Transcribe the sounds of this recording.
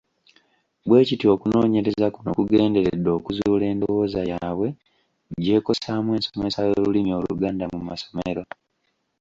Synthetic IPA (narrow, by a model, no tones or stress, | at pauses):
bwe̞ːcitio̞kuno̞ːɲe̞ɾezakuno̰kuɡe̞ːnde̞ɾedːo̞ːkuzuuːle̞ːndowo̞ːzajaːβwe̞ | ɟe̞ːko̞saːmwe̞ːnsome̞sajo̞ːlulimio̞lṵɡaːndamumaso̞meɾo̞